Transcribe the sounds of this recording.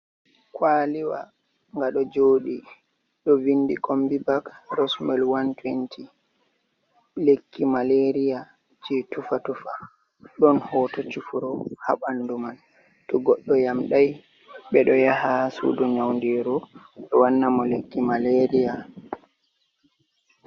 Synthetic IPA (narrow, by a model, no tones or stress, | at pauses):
kwaːliwa̰ | ŋɡaɗɔd͡ʒoːɗi | ɗɔvindikʰombibakɾɔsmɛlwantwentʰi | lekʰːimaleɾija | t͡ʃitufatufa | ɗɔnhɔtɔt͡ʃufuɾɔha̰ɓanduman | tɔɡɔɗːɔjamɗaj | ɓɛɗɔjahasṵdɔɲawndiɾu | ɓɛwanːamɔlekːimaleɾija